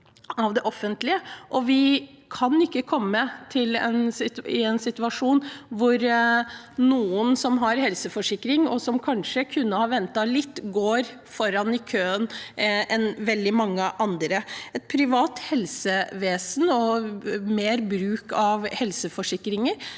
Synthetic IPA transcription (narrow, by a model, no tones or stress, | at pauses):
ɑʋd̪ɛʔɔfːənt̪lɪəʔɔʋɪ | kʰɑnɪkːəkʰɔmːət̪ʰɪlɛ̰nɪɪ̰ɛnsɪt̪ʉɑʂuːnʋʊɾ | nuːənsɔmɦɑɾhɛlsəfɔʂɪkːɾɪŋɔsɔmkʰɑnʂəkʰʉnːəhɑɾʋɛnt̪ɑlɪt̪ːɡoːɾ | fɔɾɑnɪkʰøːənɛnʋɛld̪ɪmɑŋːəʔɑnd̪ɾəɛt̪̚pʰɾɪʋɑːt̪hɛlsəʋeːsnɔmeːɾbɾʉːkɑʋhɛlsəfɔʂɪkːɾɪŋəɾ